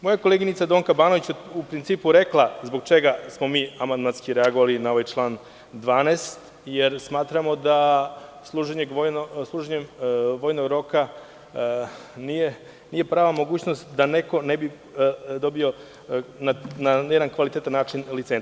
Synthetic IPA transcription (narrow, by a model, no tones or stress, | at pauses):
mo̞jakoleːɡinit̪sad̪oŋkabaːnoʋit͡ɕeupɾint̪iːpuɾe̞klˠazbo̞ɡ̚t͡ʃe̞ɡasmo̞miːamand̪manskiɾeaɡoʋalinao̞ʋajt͡ʃlˠaːn | d̪ʋaːneːst̪ | jeɾsmaːt̪ɾamo̞d̪aslˠuːʒeɲeɡʋojnslˠuːʒeɲemʋo̞ːjnoɡɾo̞ka | nije | nije̞pɾaːʋamo̞ɡuːt͡ɕnost̪d̪aneko̞nebi | d̪o̞bio̞ | nanajed̪ankʋalit̪et̪anːaːt͡ʃinlit̪sen